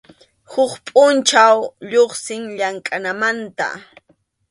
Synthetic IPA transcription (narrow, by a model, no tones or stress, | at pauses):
hʊkpʼʊnt͡ʃawʎoχsɪŋʎaŋkʼanamant̪a̰